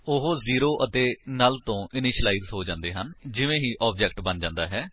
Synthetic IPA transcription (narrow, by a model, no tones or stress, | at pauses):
ʊɦoːziːɾoːʔət̪eːnaːlt̪õːʔɪnɪʃlaːiːzɦoːd͡ʒãːnd̪eːɦənd͡ʒɪʋẽːɦiːʔɔːbd͡ʒɛːk̚ʈbənd͡ʒãːnd̪aːɦɛː